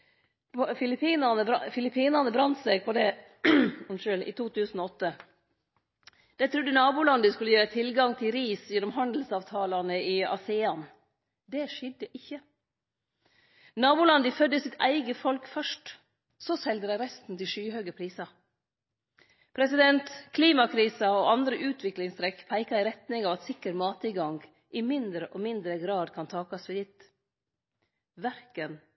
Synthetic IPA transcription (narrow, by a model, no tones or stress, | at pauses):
fɪlɪpʰiːnɑnəfɪlɪpʰiːnɑnəbɾɑnt̪sɛɡ̚pʰɔd̪ɛ | ʂøːlɪ̰t̪ʰuːt̪ʰʉːsn̩ɔɔt̪ːə | d̪̥ɛɪt̪ʰɾʉd̪ənɑːbuːlɑnd̪əskʉlːəjøːɾət̪ʰɪlɡɑŋt̪ʰɪlɾiːsjɛnːɔmɦɑnd̪l̩sɑːʋt̪ʰɑːlɑnəɪɑ̰sɛːɑn | d̪ɛʂɛd̪əʔɪçːə | nɑːbʊːlɑnd̪ɪfœd̪əsɪt̪ʰæ̰ɪɡəfɔlkfœʂʈ | soːsɛld̪əɾæɾɛst̪n̩t̪ʰɪlʃyːɦøːɡəpʰɾiːsɑ | pʰɾɛsɪd̪ɛnt̪kʰliːmɑkʰɾiːsəoːʔɑnd̪ɾəʔʉːt̪ʰʋɪklɪŋst̪ɾɛkːpʰæɪkɑɪɾɛt̪nɪŋɑːʋɑt̪sɪkːəɾmɑːt̪ɪɡɑŋɡ | ʔɪmɪnd̪ɾəʔoːmɪnd̪ɾəɡɾɑːd̪kʰɑnt̪ʰɑːkɑsʋɛd̪ɪt̪ | ʋæɾkən